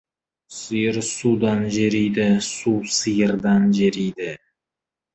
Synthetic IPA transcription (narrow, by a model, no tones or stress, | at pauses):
sɨjɪɾsud̪ɑnʒeɾijd̪ɪsusɨjəɾd̪ɑnʒeɾijd̪ɪ